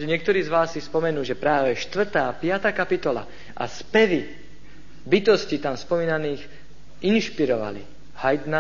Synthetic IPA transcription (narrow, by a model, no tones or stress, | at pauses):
ɲɪɛk̚t̪ɔɾiːzʋaːsːispɔmɛnuːʒɛpɾaːʋɛʃt̪ʋr̩t̪aːpɪat̪aːkapit̪ɔla̰ | ʔa̰spɛʋi | bit̪ɔscit̪amspɔmiːnaniːx | inʃpiɾɔʋa̰lḭ | hajd̪na